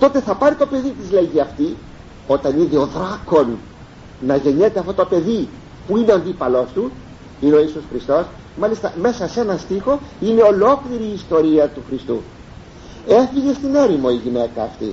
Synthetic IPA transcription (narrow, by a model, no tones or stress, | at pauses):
t̪o̞t̪e̞θɐpɐɾit̪o̞pe̞ðit̪izleʝiɐft̪i | o̞t̪ɐniðeo̞ðɾɐko̞nː | ɐʝe̞ɲe̞t̪eɐft̪ot̪o̞pe̞ði | puineoɐnd̪ipɐlo̞st̪u | ineo̞isusxɾist̪o̞s | mɐlist̪ɐ̰me̞sɐse̞nɐst̪ixo̞ine̞o̞lo̞kliɾiːst̪o̞ɾiɐt̪uxɾist̪u | e̞fiʝe̞st̪ine̞ɾimo̞iʝine̞kɐːft̪ḭ